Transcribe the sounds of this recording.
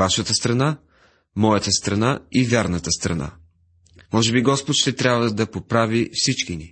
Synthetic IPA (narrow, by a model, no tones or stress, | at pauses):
aʃət̪əst̪ɾɐna | mɔjət̪əst̪ɾɐnaivʲjaɾnət̪əst̪ɾɐ̰na̰ | mɔʒɛbiɡɔspot̪ʃt̪ɛt̪ɾʲabvəd̪ɐpopɾavifsit͡ʃkini